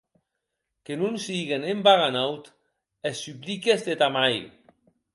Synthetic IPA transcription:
kenunsiɣenembaɣanawt̪ | esːyplikezd̪et̪amaj

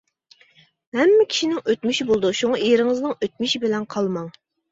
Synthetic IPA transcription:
hɛmːɛkʲʰi̥ʃinɪŋøt̪myʃibolˠd̪uʃuŋɑʔiɾɪŋɨznɨŋøt̪̚myʃibɪlɛnqʰɑlˠmɑŋ

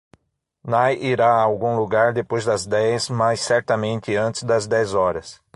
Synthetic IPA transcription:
najʔiɾaːwɡũluɡaɾd̪epojzd̪ɐzd̪ɛjsmajsːɛɾt̪ɐmẽnt̪ɪɐ̃nt̪ɪzd̪ɐzd̪ɛzɔɾɐs

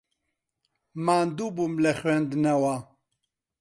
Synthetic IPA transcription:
maːnd̪ubumlɛxɥɛnd̪nɛwa

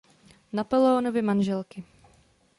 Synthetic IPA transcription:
napolɛonovɪmanʒɛlkɪ

